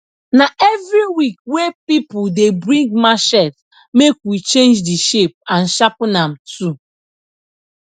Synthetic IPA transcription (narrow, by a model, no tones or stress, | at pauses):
naʔɛvɾiwik̚wepipuldebɾĩŋɡmaʃɛt | mekwit͡ʃẽnd͡ʒdiʃep̚ãnʃapnam̩tu